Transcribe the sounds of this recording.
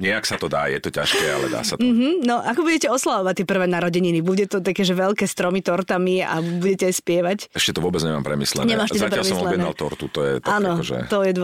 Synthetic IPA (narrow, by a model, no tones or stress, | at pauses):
ɲɪɛaksat̪ɔd̪a̰ːjɛt̪ɔca̰ʃkɛa̰lɛ̰d̪a̰ːsat̪m̩ɦm̩nɔʔakɔbuɟɛcɛɔslaʋɔʋac̚t̪ːiɛpr̩ʋɛːnaɾɔɟɛɲinibuɟɛt̪ɔt̪akɛːʒɛʋɛlkɛːst̪ɾɔmit̪ɔɾt̪amia̰buɟɛcɛajspɪɛʋacɛʃcɛt̪ɔʋʊɔbɛd͡zɲɛma̰ːmpɾɛmḭslɛ̰nɲɛmaːʃt̪ɛd̪apɾaɛlmiɔsmɔlɛnbɛa̰lt̪ɔɾt̪ut̪ɔjɛ̰t̪aaːnɔʒɛ̰t̪ɔjɛd̪